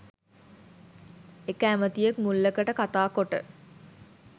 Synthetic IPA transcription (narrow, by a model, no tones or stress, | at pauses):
ekəæmət̪ijəkmulːəkəʈəkat̪aːkoʈə̰